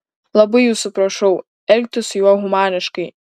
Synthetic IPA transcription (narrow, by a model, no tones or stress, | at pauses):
lˠɐbɐɪjuːsʊpɾɐʃɐʊ | ɛlʲk̚t̪ʲʊsjuɔɦʊmaːnʲɪʃkɐɪ